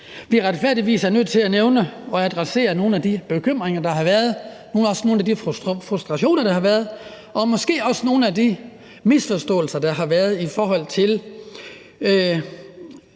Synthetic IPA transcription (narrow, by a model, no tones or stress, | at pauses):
ʋiæʁɑd̥fæɐ̰d̥iʋḭːsæɐnøð̰ˠt͡sʰe̝læneʊnəɒ̽æd̥ʁase̝̰ːɐno̝ːn̩æd̥ib̥e̝kʰøm̰ʁeŋɐd̥ɑ̈ɦɑ̈ʋæɐð̞̩ˠ | no̝ːnɒ̽sno̝ːn̩æd̥iffʁusd̥ʁɑ̈ɕo̝̰ːnɐɾ̥ɑ̈hɑ̈ʋæɐð̞ˠ | ʔɒ̽mɒ̽sɡ̥e̝̰ːɒ̽səno̝ːn̩æd̥i | misfɒsd̥ɔ̰̽ːl̩sɐd̥ɑ̈ɦɑ̈ʋæɐð̞̩ˠifɒːɦɒ̽l̰t͡sʰe̝l